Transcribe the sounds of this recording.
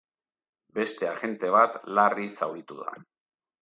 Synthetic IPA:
be̞st̪e̞aɣe̞nt̪e̞β̞at̪larisawɾit̪uða̰

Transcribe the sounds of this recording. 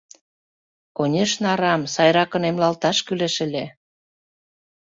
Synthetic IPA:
konʲeʃnɑɾɑmsɑjɾɑkə̆nemlɑlt̪ɑʃkyleʃə̆lʲe

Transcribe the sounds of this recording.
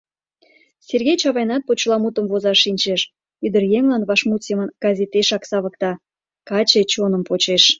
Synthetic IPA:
sʲerɣʲejt͡ɕɑβɑjnɑt̪̚pot͡ɕlɑmut̪əmvozɑʃːinʲt͡ɕeʃ | yd̪ərjeŋlɑnβɑʃmut̪semənɡ̥ɑzʲet̪eʃɑksɑβə̆kt̪ɑ | kɑt͡ɕet͡ɕonəmpot͡ɕeʃ

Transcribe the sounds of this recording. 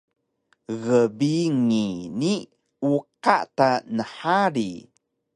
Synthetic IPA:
ɣəbiŋini | uqa̰ʔtanəħaɾi

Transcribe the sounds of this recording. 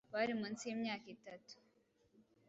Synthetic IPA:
baɾimɐnsimɲaːkit̪ɐt̪u̥

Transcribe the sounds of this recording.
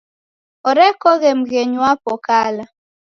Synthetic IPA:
ɔɾɛkɔɣem̩ɡeɲwapɔkala

